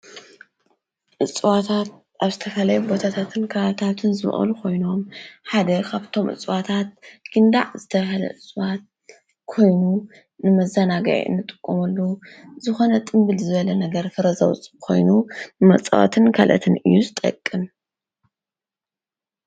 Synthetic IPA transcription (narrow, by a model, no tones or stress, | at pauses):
ʔɨt͡sʼwat̪ʰat̪̚ | ʔaβzɨt̪ʰɐfɐlɐjubo̞t̪ʰat̪ʰat̪ʰɨnkʰalat̪ʰat̪ʰɨnzɨmʔɐ̰lukʰo̞jno̞mħad̪ɐkʰaβt̪ʰo̞mʔɨ̰t͡sʼwat̪ʰat̪̚ɡ̥ɨnd̪a̰ʕzɨt̪ʰɐβɦɐlɐ̰ʔɨt͡sʼwat̪̚ | kʰo̞jnu | nɨmɐzɐnaɡɐ̰ʕḭʔɨ̰nːɨt̪ʼɨkʼːomɐlːuzɨxo̞nɐt̪ʼɨmbɨlzɨβɐlɐnɐɡɐɾfɨɾɐzɐwt͡sʼɨkʰo̞̰jnuɨmɐt͡sʼwa̰t̪ʰɨnkʰa̰lʔɐ̰t̪ʰɨnɨ̰jːuzɨt̪ʼɐ̰kʼːɨm